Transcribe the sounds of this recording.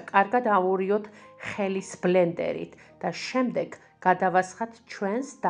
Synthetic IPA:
kʼaɾɡad̪auɾiɔt̪ʰχɛlisblɛnd̪ɛ̰ɾḭt̪ʰ | d̪̥aʃɛmd̪ɛɡ | ɡad̪avasχat̪ʰt͡ʃʰwɛnsd̪̥

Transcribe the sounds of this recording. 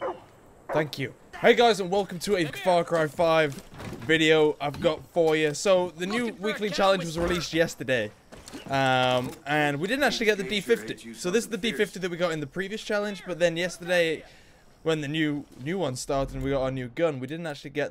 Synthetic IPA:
θæ̃ŋkʰjʉ | heɪɡaɪzə̃nwɛlˠkə̃mtʰɨevfɑɹkʰɹ̥aɪ̥faɪvvɪɾioʊʔaɪvɡɑtfɔɹjəsoʊðɨnjʉwiklit͡ʃʰalˠə̃nd͡ʒwɒzɹɪlistjɛstə˞deɪ | ʔʌ̃mɨ̃nwidɪdⁿn̩tak̚t͡ʃʉl̩ˠiɡɛt̪̚ðɨdifɪftisoʊðɪsɨzðədifɪftiðɨt̚wiɡɑɾɨ̃nðəpʰɹ̥iviɨst͡ʃʰælˠə̃nd͡ʒbʌt̪̚ðɨ̃njɛstə˞ɾeɪ | wə̃nðɨnjʉnjʉwʌ̃nz̥stɑɹtsə̃nwiɡɑɾəənjʉɡʌ̃nwidɪdⁿn̩tak̚t͡ʃʉl̩ˠiɡɛt̪̚

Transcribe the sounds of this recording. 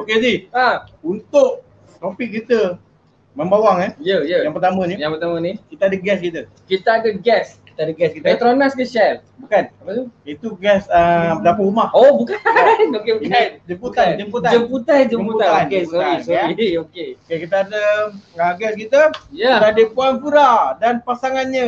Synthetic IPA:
okediaunt̪ʊk̚ | t̪opik̚ːit̪ə | mə̃mbawaŋanjəjəjãŋpərt̪amə̃nijãŋpərt̪amənikit̪aadəɡɛskit̪ə | kit̪aadəɡɛski̥t̪aadəɡɛskit̪at̪ɾonaskəʃɛl | bukanapət̪uit̪uɡɛsəbədapəɾumahobukanokebukand͡ʒəmput̪and͡ʒəmput̪ad͡ʒəmput̪and͡ʒəput̪aankeuaoakokeokekit̪əadəəɡɛskit̪əjait̪adəpuanpuɾadanpasaŋanɲə

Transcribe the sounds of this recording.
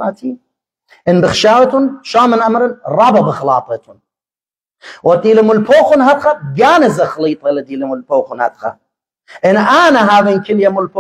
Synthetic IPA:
aːt̪ʰi | ʔɪnbɪxʃaːwt̪ʊnʃaːmɪnʔamɾɪnɾˤɑːbabɪxlɑːt̪ˤɨt̪ʊn | wad̪iːlɪmʊlpoːxʊnɦad̪xaɡaːnɪzaxɑliːt̪ˤɑlad̪iːlɪmʊlpoːxʊnha̰d̪xa̰ | ʔɪnʔaːnaɦaːðinkɪljamʊlp

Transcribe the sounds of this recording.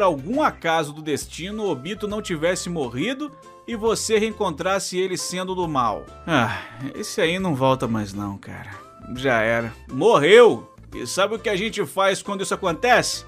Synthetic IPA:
ɾawɡũakazʊd̪ʊd̪est͡ʃĩnʊobit̪ʊnɐ̃w̃t͡ʃivɛsɪmoʁid̪ʊ | ɪvoseheẽŋkõnt̪ɾasɪelɪsẽnd̪ʊd̪ʊma̰w | aḛsɪainɐ̃w̃vɔwt̪ɐmajznɐ̰̃w̃ka̰ɾɐ | ʒaɛɾɐmoɦew | ɪ̰sabɪʊkɪaʒẽnt͡ʃɪfajskwɐ̃d̪ʊisʊakõnt̪ɛsɪ̥

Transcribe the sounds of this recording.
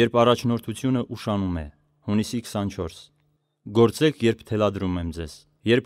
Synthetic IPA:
jɛɾpʰɑrɑt͡ʃʰnɔɾt̪ʰut͡sʰjunəʔuʃɑnumɛ̰ | hunisikʰə̥sɑnt͡ʃʰɔɾs | ɡɔɾt͡sɛkʰjɛɾpʰt̪ʰɛlɑd̪ɾumɛmd͡zɛz̥ | jɛɾp̚ʰ

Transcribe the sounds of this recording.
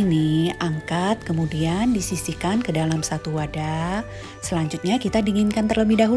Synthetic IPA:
iniʔaŋkat̪̚kəmudiandisisikankədalamsat̪uwada | səlaɲd͡ʒʊt̪̚ɲakit̪adiŋɪnkant̪ərləbɪhdaɦu

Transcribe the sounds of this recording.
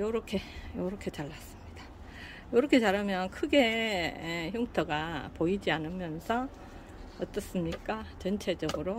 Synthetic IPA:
joɾʌkʰe̞joɾʌkʰe̞t͡ɕaɭːas͈ɯ̥mɲid̥ḁ | joɾʌkʰe̞t͡ɕaɾɯmjʌnkʰɯɡe̞ | çjuŋtʰʌɡapoid͡ʑianɯmjʌnsʰʌ | ʌt͈ʌs͈ɯmɲik͈at͡ɕʌnt͡ɕʰe̞d͡ʑʌɡɯɾo

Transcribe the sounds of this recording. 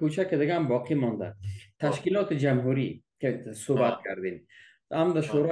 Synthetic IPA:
kut͡ʃʰaked̪ɪɡambɔːqʰimɔnd̪a̰t̪ʰaʃkilɔːt̪ʰid͡ʒamɦuɾikʰesobat̪̚kʰaɾd̪in | amd̪aʃoɾɔ

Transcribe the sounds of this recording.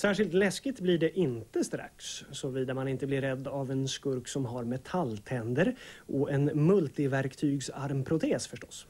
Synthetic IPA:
sæːʂɪlt̪lɛskɪt̪blɪɖɛʔɪnt̪əst̪ɾa̰ksːɔviːd̪amanɪnt̪əblɪɾːɛd̪ːavɛnskɵɾksɔmɦaɾmɛt̪ʰalt̪ʰɛnd̪əɾʔɔʔɛnmɵlt̪ɪvæɾkt̪ʰyːɡsaɾmpʰɾʊt̪ʰeːsfœʂʈɔ̥s

